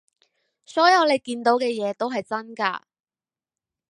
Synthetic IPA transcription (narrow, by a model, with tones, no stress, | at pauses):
sɔː˨˥jɐ˨˧wle˨˧jkiː˧nt̪o˨˥wkɛː˧jɛː˨˧t̪o˥wɦɐ˨jt͡sɐ˥nka̰ː˧